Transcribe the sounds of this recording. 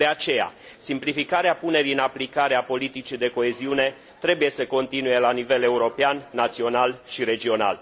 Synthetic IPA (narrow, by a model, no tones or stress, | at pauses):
d̪eat͡ʃe̞ja̰ | simplifikaɾeapune̞ɾiɨnaplikaɾeapo̞lit̪it͡ʃid̪e̞ko̞e̞ziune̞ | t̪ɾe̞buje̞səko̞nt̪inuje̞lanive̞le̞uɾo̞peanːat̪sio̞nalʃiɾe̞d͡ʒio̞na̰l